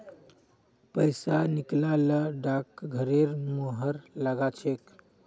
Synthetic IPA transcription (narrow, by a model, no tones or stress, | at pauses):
pəjsaniklaləɖakɡʱəɾeɾmoɦəɾləɡat͡ʃʰek